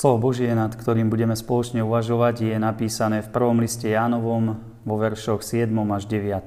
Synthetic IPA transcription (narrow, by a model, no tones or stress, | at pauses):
slɔʋɔbɔʒɪɛnat̪kt̪ɔɾiːmbuɟɛmɛspɔlɔt͡ʃɲɛuʋaʒɔʋaɟjɛnapiːsanɛːfpr̩ʋɔmliscɛjaːnɔʋɔm | ʋɔʋɛɾʃɔxsɪɛd̪mɔmaʒɟɛʋɪat̪ɔm